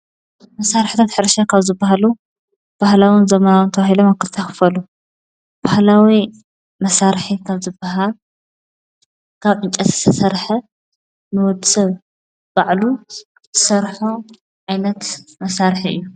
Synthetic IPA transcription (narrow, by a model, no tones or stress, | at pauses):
mɐsaɾħt̪ʰat̪ħɨɾʃakʰaβzɨbːaɦalu | b̥ahlawɨnzɐmɐnawɨnt̪ʰɐβahilomakɨlt̪ʰaxɨ̥fɐlu | b̥ahlawi | mɐsaɾħikʰaβzɨbːaɦal | kʰaβʕɨnt͡ʃʼɐt̪zɨ̥t̪ʰɐsɐɾħɐ | nɨwɔd̪sɐβ | b̥aʕlu | ɨ̥sɐɾħo | ʕajnɐt̪mɐsaɾħiʔɨ̰jːu